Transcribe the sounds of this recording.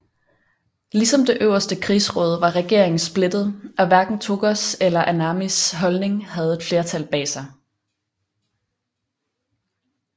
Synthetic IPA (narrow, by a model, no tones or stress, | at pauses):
lisɒ̽md̥e̝ʔøʊɐsd̥əkʰʁḭːsʁɔ̽ːð̞ˠʋɑ̈ʁɛɡ̥e̝ɐ̰e̝ŋn̩sb̥le̝d̥ð̞̩ˠʔɒ̽ʋæɐɡ̥n̩t͡sʰo̝ɡ̥ɒselɐʔænɑmisɦɒ̽lne̝ŋhæð̞̩ˠe̝d̥fle̝ɐt͡sʰælb̥ɛ̰ːsɑ̈ɪ